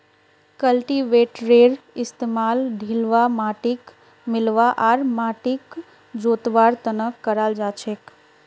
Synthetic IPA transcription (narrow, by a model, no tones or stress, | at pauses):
kəlʈiʋeːʈɾeɾɪst̪emaːlɖʱilʋamaːʈik | mɪlʋaʔaːɾmaːʈik | d͡ʒoːt̪ʋaɾt̪ənəkːəɾald͡ʒat͡ʃʰek